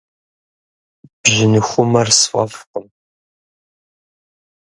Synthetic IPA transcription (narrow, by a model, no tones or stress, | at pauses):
b̥ʑɪnɨxʷʊmɐrsfʼɐ̰fqəm